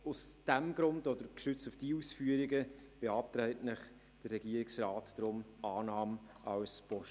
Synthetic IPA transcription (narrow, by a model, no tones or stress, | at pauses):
ʊsd̥æmɡɾʊndɔd̥əɾkʃʏt͡stufd̥iːusfyːəɾiɡə | b̥eɑp̚tɾɛɪtnɪχ | d̥ərːɛɡiːəɾɪksrɑːtd̥ɾʊmɑːnɑːm | ɑwspɔʃ